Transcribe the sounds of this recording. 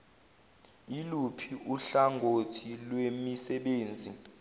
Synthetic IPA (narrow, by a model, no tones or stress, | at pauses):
ilupʰiʔuɬaŋɡʱotʰilwemisɛɓeːnd͡zʱi